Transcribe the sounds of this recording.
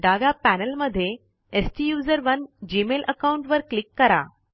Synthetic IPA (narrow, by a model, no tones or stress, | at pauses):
ɖaɡapænəlməd̪ʱːje | esʈijuːzəɾʋənd͡ʑiːmelʔəkauɳʈʋəɾklikːəɾa̰